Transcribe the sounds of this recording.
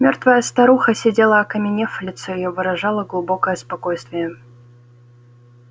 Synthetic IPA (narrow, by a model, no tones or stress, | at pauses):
mʲo̞rt̪vəjəst̪ɐɾuxəsʲɪdʲelˠəɐkəmʲɪnʲeflʲɪt̪sɛjɪjovɨɾɐʐɑlˠəɡlˠʊbo̞kəjəspɐkojst̪vʲɪjə